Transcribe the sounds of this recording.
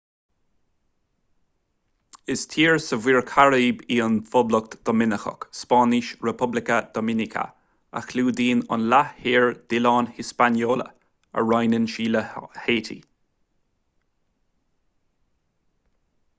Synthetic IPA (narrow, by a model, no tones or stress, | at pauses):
ɪst̪ʰiːɹsəviːɹkʰaɹiːbiːənfɔbləkt̪d̪̥ɔmɪnəxə̰kspɑːnɪʃɹɛpʰʊblɪkəd̪̥ɔmɪnɪkʰə̰ | a̰xluːd̪iːnə̰nlahiːɹd̪̥ɪlɑːnhɪspanjoːlə̰ | ə̰ɹajnənʃiːləheːtʰḭ